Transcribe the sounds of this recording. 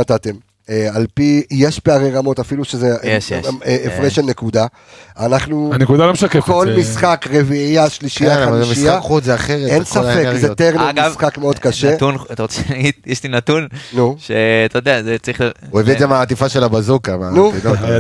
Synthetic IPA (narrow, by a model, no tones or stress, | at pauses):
at̪at̪e̞m | ealpije̞ʃpeaʁeʁamo̞tafiluʃezeʃeefʁeʃelne̞kud̪a | anaχnuanekud̪alomʃakeko̞lmisχakʁeviijaʃliʃijaaavazmisijakχuzeaχeʁetensafezet̪eʁmɡivsχakmeo̞d̥̪kaʃetunat̪aʁot͡seaɡid̪̚jeʃtinat̪unnuʃeat̪ajd̪eazet͡saʁiχluevietzamaːt̪ifaʃelabazukamanuino